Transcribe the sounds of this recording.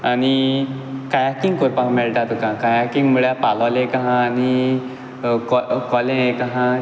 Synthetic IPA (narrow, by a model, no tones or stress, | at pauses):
ani | kajakiŋkojpãɦmelʈ̪at̪ukãkajakiŋɡmuɭjapalɔlẽkaɦãːni | kɔkɔlẽkaɦã